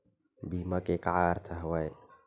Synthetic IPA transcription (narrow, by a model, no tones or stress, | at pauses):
bimakekaaɾt̪ʰaɦwaj